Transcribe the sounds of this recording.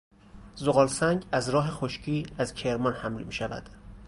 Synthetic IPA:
zoɣɒːlsæŋɟæzɾɒːɦexoʃcʰiːæzcʰe̞ɾmɒnhæmlḭmiːʃævæ̰d̪̥

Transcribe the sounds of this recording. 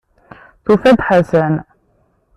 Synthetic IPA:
θufæd̪ħasæn

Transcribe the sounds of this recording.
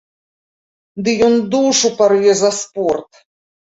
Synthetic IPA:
d̪ɨjɔnd̪uʂuparvʲɛzɐspɔrt̪

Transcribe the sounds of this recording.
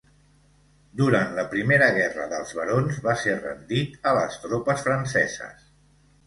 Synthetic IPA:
d̪uɾant̪ləpɾimeɾəɣ̞ɛrə̰ðəlˠzβəɾonzβaserə̰nd̪it̪ələ̰st̪ɾopəsfɾənsɛ̰zə̰s

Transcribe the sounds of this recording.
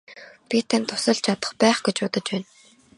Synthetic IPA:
pʲit̪ʰanʲt̪ʰːʊ̥sə̆ɮt͡ɕʰat̪ə̆χpæːχɡet͡ɕʊːt̪ə̆t͡ɕpæːn

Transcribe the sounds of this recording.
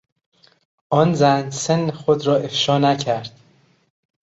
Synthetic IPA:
ʔɒːnzænsenːxod̪ɾɒːʔefʃɒːnæcʰæɾd̪̥

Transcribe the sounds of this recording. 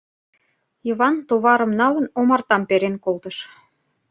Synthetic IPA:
jiβɑnt̪oβɑɾə̆mnɑlənomɑrt̪ɑmpeɾenkolt̪əʃ

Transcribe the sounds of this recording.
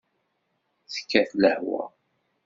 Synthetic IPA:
θə̥kːæθləhwæ̰

